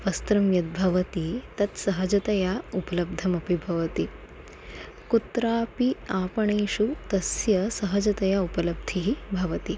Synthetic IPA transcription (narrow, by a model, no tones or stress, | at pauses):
ʋɐst̪ɾɐmjɐt̪̚bʱɐʋɐt̪it̪ɐt̪sɐɦɐd͡ʒɐt̪ɐjaupɐlɐb̚d̪ʱɐmɐpibʱɐʋɐt̪i | kut̪ɾaːpiaːpɐɳeːʃut̪ɐsjɐsɐɦɐd͡ʒɐt̪ɐjaupɐlɐb̚d̪ʱiɦibʱɐʋɐt̪i